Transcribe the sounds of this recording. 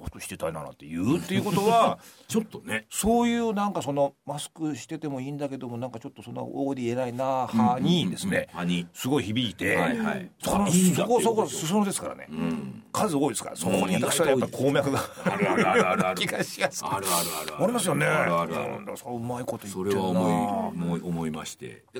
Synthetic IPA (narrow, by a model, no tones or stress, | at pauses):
ot̪ːoɕi̥t̪et̪aina̰na̰t̪ːejɯːt̪ːe̞iɯ̟ko̞t̪o̞βat͡ɕot̪ːoneso̞ːjɯːnãŋkaso̞no̞masɨ̥kɯ̟ɕi̥t̪e̞t̪e̞mo̞iːnd̪ake̞d̪o̞mo̞nãŋkat͡ɕo̞t̪ːo̞sõ̞nːa̰ʔoːd̪ʲienainahaɲ̟id̪e̞sɨne̞ɲisɨɡo̞içibʲiit̪e̞aaisoknosokosokosɨs̬ɨnod̪e̞sɨ̥ka̰ɾa̰ne̞̰kʰazɨo̞ːid̪esɨ̥kaɾa̰sokoɲiat̪akɕiβaajapaɾi̥kʰoːmeakɯa | kʲiɡaɕimasɨ̥eɾɾɾaɾʲimas̬ɨjo̞ne̞ã̰nd̪asoɯ̟maiko̞t̪o̞itoɾeeβanoioiomoima̰ɕi̥t̪e̞̰